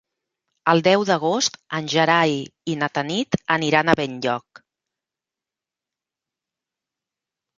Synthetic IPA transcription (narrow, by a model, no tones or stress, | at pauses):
əlˠd̪ɛwðəɣ̞ost̪ənʲʒəɾajinət̪ənit̪əniɾanəβeɲʎɔk̚